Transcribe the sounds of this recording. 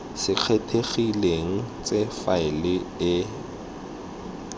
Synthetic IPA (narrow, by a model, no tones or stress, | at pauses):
sɪq͡χʰetʰeχileŋ̩t͡sʼefaɪlɪɪ